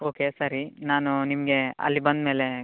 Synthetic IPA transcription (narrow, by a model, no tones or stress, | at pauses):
oːkesɐɾinaːnunimɐɡe̞ɐ̰lːibɐnd̪me̞ːle